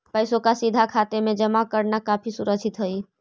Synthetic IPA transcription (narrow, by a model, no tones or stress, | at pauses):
pəjsokasid̪ʱakʰat̪emed͡ʒəmakəɾnakapʰisuɾəkt͡ʃʰit̪ɦəj